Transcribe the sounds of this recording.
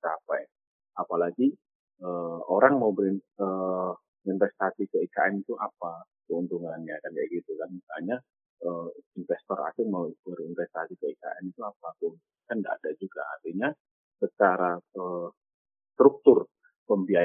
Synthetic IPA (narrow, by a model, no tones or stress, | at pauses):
t͡ʃapaj | apalaɡi | əoɾaŋmaubəɾiə | infɛst̪asikəika̰ɛmit̪uʔapa | kəunt̪uŋanjakanjaɡit̪ukanisaaɲa | əinfɛst̪ɔɾa̰sɪŋmaubərinfɛst̪asikəika̰ʔɛmit̪uapakəunt̪uŋankanda̰ʔa̰dad͡ʒuɡa̰a̰rt̪iɲa | sət͡ʃaɾaə | st̪ɾuk̚t̪ʊr | pəmbia